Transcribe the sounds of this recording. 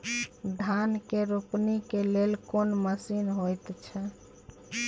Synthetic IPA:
d̪ʱankeɾupnikelelkonməsinɦojt̪t͡ʃʰɛ

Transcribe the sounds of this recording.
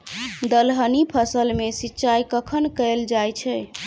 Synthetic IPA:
d̪əlɦənipʰəsəlmesitːt͡ʃajkəkʰənkəld͡ʒajt͡ʃʰɛ

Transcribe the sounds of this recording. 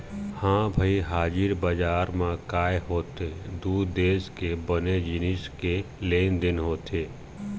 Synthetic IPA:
hãːbʱəiɦaːd͡ʒɪɾbəd͡ʒaːɾmãkaːjɦoːt̪ed̪uːd̪eːskebəned͡ʒɪnɪske | leːnd̪ɪnɦoːt̪eː

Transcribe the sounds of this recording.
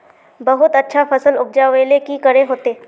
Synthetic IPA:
bəɦʊt̪ətːʃʰafəsəlʊk̚d͡ʒaʋeːlekikəɾeɦoːt̪eː

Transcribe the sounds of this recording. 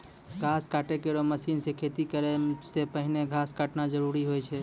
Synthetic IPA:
ɡʱaskaʈekeɾoməsinsekʰet̪ikəɾesepəɦineɡʱaskaʈnad͡ʒəɾuɾiɦojt͡ʃʰɛ

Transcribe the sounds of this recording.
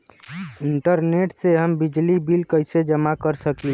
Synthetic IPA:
iɳʈəɾneʈseɦəmbid͡ʒlibilkəjsed͡ʒəmakəɾsəki

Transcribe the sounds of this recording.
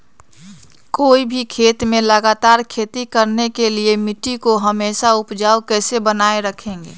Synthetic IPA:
koːibʱikʰeːt̪mẽləɡaːt̪aːɾkʰeːt̪ikəɾnekeliemɪʈːikoɦəmeːʃaʊpd͡ʒaːokɛːsebənaːeɾəkʰẽːŋɡeː

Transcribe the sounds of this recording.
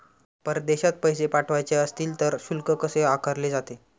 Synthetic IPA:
pəɾd̪eɕat̪̚pəjsepaʈʰʋajt͡seəst̪iːlt̪əɾɕulkəkəseakʰəɾled͡zat̪e

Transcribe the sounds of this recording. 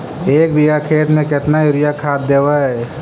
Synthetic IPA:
eːkbʱiɡakʰeːʈ̪mẽkɪt̪naɪɾɪjakʰaːd̪d̪eːwaɦɛ

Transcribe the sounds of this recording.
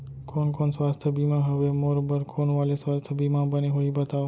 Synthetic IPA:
koːnkoːnswaːst̪ʰəbiːmãɦəʋemoːɾbəɾkʰoːnʋaːleswaːst̪ʰəbiːmãbəneɦoibət̪aːo

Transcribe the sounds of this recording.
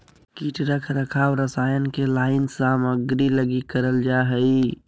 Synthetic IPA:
kiːʈɾəkʰɾəkʰaːwɾəsaːjənkelaːɪnsaməɡɾiləɡikəɾəld͡ʒaɦəi

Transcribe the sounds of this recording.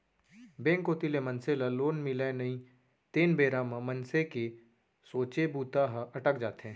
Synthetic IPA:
bẽːŋkoːt̪ilemə̃nselaloːnmɪlanɐĩ | t̪eːnbeːɾamãmənseke | soːt͡ʃebuːt̪aɦʔɐʈək̚d͡ʒaːt̪eɦɛ̃ː

